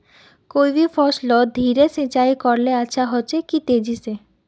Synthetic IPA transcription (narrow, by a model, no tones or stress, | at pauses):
kojbifʰɔʃlɔd̪ʱiɾesẽt͡ɕajkɔɾleaʃʰaɦɔt͡ʃʰekit̪ed͡ʑise